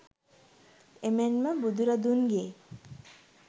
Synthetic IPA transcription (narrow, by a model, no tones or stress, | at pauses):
emenməbud̪uɾad̪unɡeː